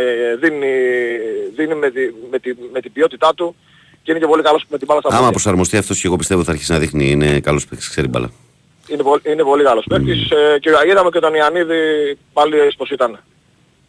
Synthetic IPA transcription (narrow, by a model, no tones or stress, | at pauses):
ðini | ðinimet̪imet̪imet̪ibio̞t̪it̪ɐt̪u | ce̞inecepo̞likɐlo̞smet̪ibɐlɐst̪ɐɐmɐpɾo̞sɐɾmo̞st̪iɐft̪o̞sce̞ɣo̞pist̪eot̪iθɐɾçisinɐðixniinekalo̞spekt̪i̥kseɾibɐ̰lɐ̰ | inepoline̞po̞likɐlo̞spekt̪isceaiðɐmeceot̪onianiðipalispo̞sit̪ɐne